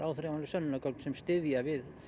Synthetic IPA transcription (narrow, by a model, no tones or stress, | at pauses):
ɾʔaːwθɾɛmanlʏsœnːnakœlsɛmst̪ɪðjavɪð